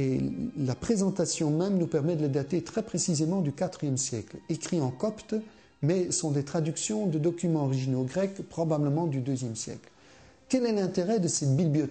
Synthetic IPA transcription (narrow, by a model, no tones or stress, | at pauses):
elapχezɑ̃t̪asjɔ̃mɛmnupɛʁmɛd̪ələd̪at̪et̪χɛpχesizemɑ̃d̪ykat̪χijɛmsjɛklekχiɑ̃kɔpt̪ | mɛsɔ̃d̪et̪χad̪yksjɔ̃d̪əd̪ɔkʲymɑ̃ɔʁiʒinoɡʁɛkpχɔbabləmɑ̃d̪yd̪øzjɛmsjɛ̰kl | kɛlɛlɛ̃t̪eʁɛd̪əsɛt̪bibbliɔ